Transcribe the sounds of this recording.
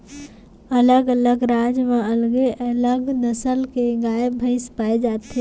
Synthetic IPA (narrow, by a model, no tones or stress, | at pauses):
ələɡələɡɾad͡ʒmẽəlɡeʔələɡnəsəlkeɡaebʱəɪspaed͡ʒaːt̪e